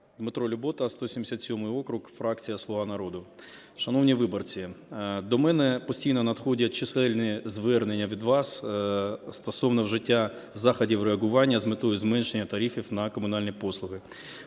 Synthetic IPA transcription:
d̪mɪt̪ɾɔlʲʊbɔt̪ɐst̪ɔsʲimʲd̪ʲɪsʲat̪sʲɔmɪjɔkɾʊkfɾɑk̚t͡sʲijɐslˠɔʋɑnɐɾod̪ʊ | ʃɐnɔwnʲiʋɪbɔrt͡sʲid̪ɔmɛnɛpɔsʲtʲijnɔnɐd̪xɔdʲɐt͡ʃɪsɛlʲnɪzʋɛrnenʲːɐʋʲid̪ʋɑs | st̪ɔsɔʋnɔwʒɪtʲːa | zɑxɐdʲiwreɐɦʊʋɑnʲːɐzmɪt̪ɔjʊzmɛnʃenʲːɐt̪ɐɾʲifʲiwnɐkɔmʊn̪ɑlʲnʲipɔslˠʊɦɪ

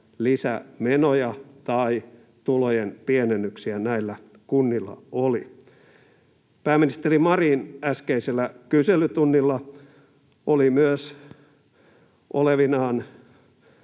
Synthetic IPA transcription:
lisæ̰menojɑt̪ɑi | t̪ulojenpienenːyksiænæilːæ | kunːilːɑ̰oli | pæːmːinist̪erimɑriːnæskeiselːækyselyt̪unːilːɑ | ʔolimyøs | ʔoleʋinɑːn

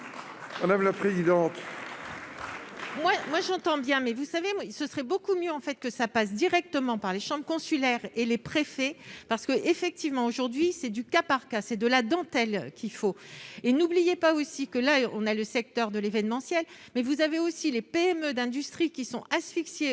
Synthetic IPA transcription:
mad̪amlapχezid̪ɑ̃t̪ | mwamwaʒɑ̃t̪ɑ̃bjɛ̃mɛvusavesəsʁɛbokumjøɑ̃fɛt̪̚kəsapas̬d̪iʁɛk̚t̪əmɑ̃paʁleʃɑ̃bʁəkɔ̃sylɛʁelepχefɛpaʁsə̥kəʔefɛk̚t̪ivmɑ̃oʒuʁd̪ɥisɛd̪ykapaʁkasɛd̪əlad̪ɑ̃t̪ɛlkʲifoenublijepaosikəlaɔ̰̃naləsɛk̚t̪œʁd̪əlevɛnmɑ̃sjɛl | mɛvuzaveosilepeɛmød̪ɛ̃d̪yst̪χikʲisɔ̃ʔasfiksje

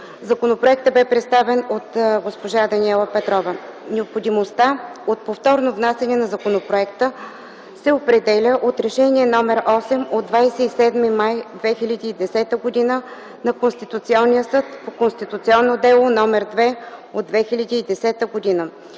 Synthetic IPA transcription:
zɐkonopɾoɛk̚t̪əbɛpɾɛt̪st̪avɛnot̪ɡospoʒad̪ɐnʲiɛlˠəpɛt̪ɾɔvɐnɛopxod̪imost̪aot̪̚poft̪ɔɾnovnasɛnɛnɐzɐkonopɾoɛkt̪ə | sɛopɾɛd̪ɛlʲəʔot̪ɾɛʃɛniɛnɔmɛɾʔɔsɛmod̪vajsɛisɛd̪mimajd̪vɛxilʲɐd̪iːd̪ɛsɛt̪əɡod̪inə | nɐkonst̪it̪ut̪siɔnːijəsɤt̪pokonst̪it̪ut̪siɔnːod̪ɛlˠonɔmɛɾd̪vɛod̪vɛxilʲɐd̪iːd̪ɛsɛt̪əɡod̪inə

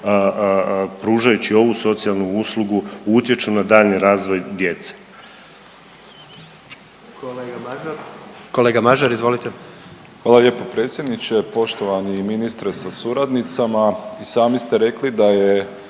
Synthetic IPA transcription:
pɾuːʒajut͡ɕio̞ʋuso̞t̪sijalˠnuuslˠuɡuut̪je̞t͡ʃunad̪aːʎniɾaːzʋo̞jd̪je̞t̪se̥ | koleːɡamaʒaɾizʋolit̪e | xʋaːlˠalʲjeːpopɾe̞ːt̪sʲjed̪nit͡ɕe̞po̞ʃt̪o̞ʋaniminist̪ɾesasuɾad̪nit̪samaisaːmist̪eɾe̞klid̪aje

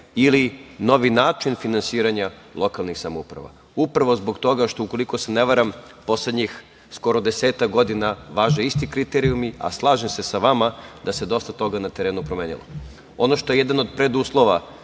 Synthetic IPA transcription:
ilino̞ʋinaːt͡ʃinfinansiːɾaɲa | lˠʔo̞kalˠnixsamoṵpɾa̰ʋa̰ | upɾaʋo̞zbo̞ɡt̪o̞ɡaʃt̪o̞uko̞lˠikoseneʋaɾam | po̞sle̞d̪ɲix | sko̞ɾo̞d̪e̞seːt̪akɡo̞d̪inaʋaːʒeist̪ikɾit̪eɾiumia̰slˠaːʒemse̞saʋamad̪ase̞d̪o̞st̪at̪o̞ɡanat̪eɾe̞ːnupɾomeːnḭlo̰ | o̞no̞ʃt̪ojejed̪ano̞d̪̚pɾed̪uːslˠo̞ʋa

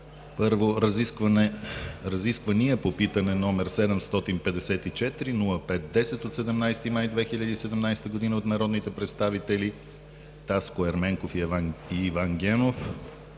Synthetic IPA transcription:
pɤɾvoɾɐziskvnɛɾɐziskvəniɛpopit̪ənɛnɔmɛɾsɛd̪ɛmst̪ɔt̪inpɛd̪ɛsɛt̪it͡ʃɛt̪ɾinulˠəpɛt̪̚d̪ɛsɛt̪ot̪sɛd̪ɛmnajst̪imajd̪vɛxiʎʲəd̪iːsɛd̪ɛmnajst̪əɡod̪inəot̪nɐɾɔd̪nit̪ɛpɾɛt̪st̪avit̪ɛli | t̪askoɛɾmɛŋkofiɛvaiːvaŋɡʲɛnof

